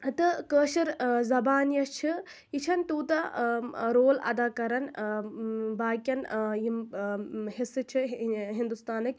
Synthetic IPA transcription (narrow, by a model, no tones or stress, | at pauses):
t̪ɨkəːʃiɾzɐbaːnjɐt͡ʃʰi | it͡ʃʰɐnt̪uːt̪ɐ | ɾoːlɐ̰d̪aːkɐɾɐn | baːkʲɐnim | ɦisɨt͡ʃʰiɦind̪ust̪aːnɐkʲ